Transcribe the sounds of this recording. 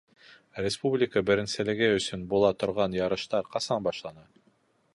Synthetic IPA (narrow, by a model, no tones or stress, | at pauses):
rʲɪspublʲɪkəbɘ̆ɾɘ̆nsɘ̆lɘ̆ɡɘɵ̆sɵnbulˠɑt̪ŏɾʁɑnjɑɾɤ̆ʃt̪ɑɾqɑsɑnbɑʃlˠɑnɑ